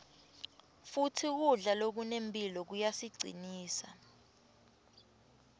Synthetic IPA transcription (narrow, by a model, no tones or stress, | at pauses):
futʰik̬uɮalok̬unempʼilɔk̬ujasiɡ͡ǀʱḭniːsa